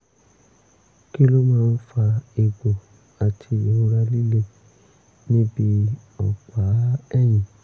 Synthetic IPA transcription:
ki˦lo˦mãː˦˧n̩˦fa˧e˧ɡ͡bo˨ | a˨tʰi˧˨e˨o˧˦ɾa˧li˦le˦ | nĩ˦bi˧ɔ˨k͡pa˨˦ɛ˦˨j̃ĩ˨

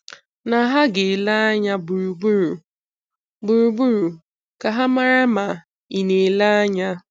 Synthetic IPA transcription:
na˨˦ɦa˦ɡɪ˨la˦a˦ɲa˦bu˨ɾu˨bu˦ɾu˨ | bu˨ɾu˨bu˦ɾu˨ | ka˨ɦa˦ma˦ɾa˦ma˨ | i˨ne˨la˦a˦ɲa˦

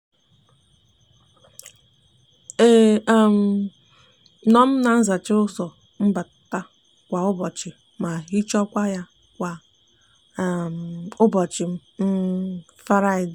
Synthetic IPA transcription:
e˦˨m̩˨ | nɔ˦m̩˦na˨n̩˦za˨t͡ʃɪ˦ʊ˦sɔ˨ | m̩˦ba˨ta˦ | kʷa˨ʊ˦bɔ˨t͡ʃɪ˨ | ma˨i˦t͡ʃɔ˦kʷa˦ja˦ | kʷa˨ | ʊ˦bɔ˨t͡ʃɪ˨m̩˦m̩˦ | fa˦ɾa˦ɪ˨d

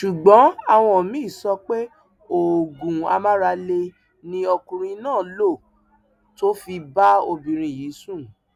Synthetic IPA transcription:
ʃu˨ɡ͡bɔ̃˨˦a˦˨w̃ɔ̃˧˨mĩ˨˦˨sɔ˧k͡pe˦ | o˨ɡũ˨a̰˧mã˦ɾa˧le˧ | nĩ˧ɔ˧kũ˧ɾ̃ĩ˧nãː˦˨lo˦˨ | to˦fi˧ba˦o˧bĩ˨ɾ̃ĩ˧˨ji˨˦sũ˦˨

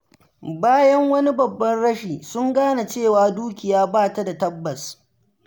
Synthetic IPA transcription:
baː˦jɐ˦ŋwɐ˦ni˦bɐ˨bːɐ˦nɽɐ˦ʃiː˨sʊ˦ŋɡaː˦na˨t͡ʃeː˦˨waː˨duː˦kʲɪ˨jaː˦baː˦˨ta˦da˨tɐ˦bːɐ˨s

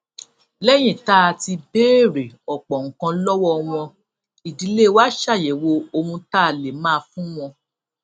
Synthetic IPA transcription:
lɛ˦j̃ĩ˦˨ta˦˨ti˧beː˦ɾe˨ɔ˨k͡pɔ˨ŋ̩˨kã˧˦lɔ˦wɔ˦˨w̃ɔ̃˧ | i˨di˧˦le˦wa˦ʃa˦˨je˨wo˧o˧hũ˧ta˦˨le˨mãː˦˧fũ˦w̃ɔ̃˧

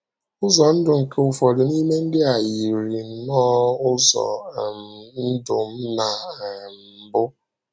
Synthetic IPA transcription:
ʊ˦zɔ˨n̩˦dʊ˨ŋ̩˨ke˦ʊ˨fɔ˨dʊ˨ni˦me˦ŋ̩˦dɪ˦a˨ji˨ɾi˨˦nɔ˦ʊ˦zɔ̰˨ | n̩˦dʊ˨m̩˦na˨m̩˨bʊ˦

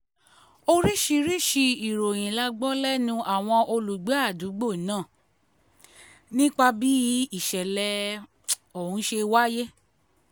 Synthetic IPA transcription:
o˧ɾi˦ʃi˧ɾi˦ʃi˧i˨ɾo˨j̃ĩ˨la˧ɡ͡bɔ˦lɛ˦nũ˧ʔa˨w̃ɔ̃˧ʔo˧lu˨ɡ͡be˨˦a˦˨du˨˦ɡ͡bo˦˨nãː˦˨ | nĩ˦k͡pa˧bi˦i˦˨ʃɛ˨lɛ˧ | o˨hũ˨˦ʃe˧wa˦je˦

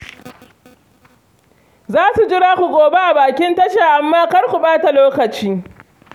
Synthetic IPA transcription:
zaː˦su˨d͡ʒɪ˦ɽaː˦kʷu˨ɡʷoː˨be˦ʔa˨baː˨kʲɪ˦ntɐ˦ʃaː˨ʔa˨mːaː˦kɐ˦ɽkʷu˨baː˦ta˨loː˦kɐ˨t͡ʃiː˦

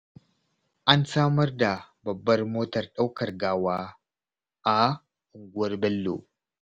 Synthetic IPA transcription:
ʔa˦nsaː˦mɐ˦rda˨bɐ˨bːɐ˦rmoː˦tɐ˨rɗa˦wkɐ˨rɡaː˦waː˦ | ʔa˨ | ʔʊ˨ŋɡʊ˦wɐ˦rbɛ˦lːo̰ː˨

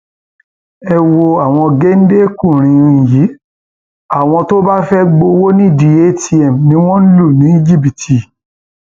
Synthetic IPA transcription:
ɛ˧wo˧a˨w̃ɔ̃˧ɡe˦n̩˦de˦kũ˦˨ɾ̃ĩ˧˨ji˨˦ | a˦˨w̃ɔ̃˧to˦ba˦fɛ˦ɡ͡bo˧wo˦nĩ˦˨di˧e˦tʰi˦ɛ˨mnĩ˦w̃ɔ̃˦n̩˦lu˦˨nĩ˨˦i˦d͡ʒi˦˨bi˨tʰi˨

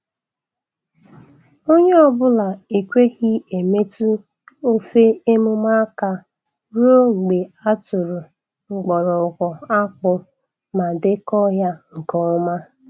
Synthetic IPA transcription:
o˦ɲe˦ɔ˦bʊ˦la˨i˨kʷe˦ɣi˦e˨me˦tu˦ | o˦fe˦e˦mʊ˦ma˦ka˦ | ɾu˦o˦ŋ͡m̩˨ɡ͡be˨a˦tʊ˨ɾʊ˨ | ŋ͡m̩˨ɡ͡bɔ˨ɾɔ˨ʊ˨kʷɔ˨a˦k͡pʊ˦ | ma˨dɪ˦kɔ˦ɦja˦ŋ̩˨kɔ˦ʊ˦ma˦

